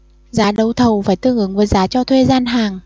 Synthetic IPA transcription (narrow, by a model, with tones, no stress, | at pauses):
zaː˨˦ɗə˨˩wt̪ʰə˨˩wfaː˧˩jt̪ɨ˧əŋʔɨ˨˦ŋvəː˨˦jzaː˨˦t͡ɕɔ˧t̪ʰwe˧zaː˧nɦaː˨˩ŋ